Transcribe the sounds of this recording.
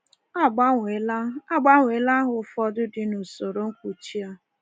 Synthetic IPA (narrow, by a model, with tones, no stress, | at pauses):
a˦˨ɡ͡ba˦ŋe˨la˦a˦ɡ͡ba˦ŋʷe˨˦la˦ɦʊ˨˦fɔ˦dʊ˦dɪ˦nu˨so˨ɾo˨˦ŋ̩˦kʷu˨t͡ʃi˦a˦